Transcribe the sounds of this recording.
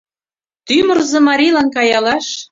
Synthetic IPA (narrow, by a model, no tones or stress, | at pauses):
t̪ymərzɤ̆mɑɾʲilˠɑnkɑjɑlɑʃ